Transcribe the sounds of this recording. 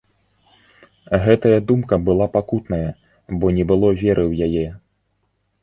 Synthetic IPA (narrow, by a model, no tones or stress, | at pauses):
ɣɛt̪ɐjɐd̪umkɐbɨlˠapakut̪nɐjɐ | bɔnʲɛbɨlˠɔvʲɛɾɨwjajɛ